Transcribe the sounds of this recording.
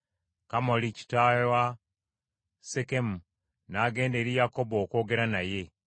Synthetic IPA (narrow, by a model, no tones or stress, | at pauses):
kamolici̥tajowa | sekemu | naːɡe̞ːnde̞ɾijako̞boːko̞ːɡe̞ɾanaje̞